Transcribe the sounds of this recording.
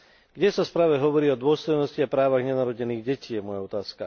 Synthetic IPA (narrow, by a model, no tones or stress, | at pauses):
ɡ̥ɟɛsaspɾaːʋɛɦɔʋɔɾiːɔd̪ʊɔst̪ɔjnɔsciapɾaːʋaɣɲɛnaɾɔɟɛniːɣɟɛciːjɛmɔjaɔt̪aːska